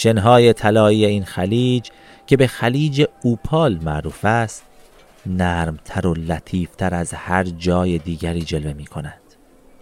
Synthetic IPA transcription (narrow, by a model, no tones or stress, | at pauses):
ʃe̞nɦɒːje̞t̪ʰælɒːiːjeiːnxæliːd͡ʒ | cʰe̞be̞xæliːd͡ʒe̞uːpʰɒːlmæʔɾuːfæst̪ | næːɾmt̪ʰæɾolæt̪ʰiːft̪ʰæɾæzhæɾd͡ʒɒːje̞d̪iːɟæɾiːd͡ʒe̞lve̞miːkʰo̞nænd̪̥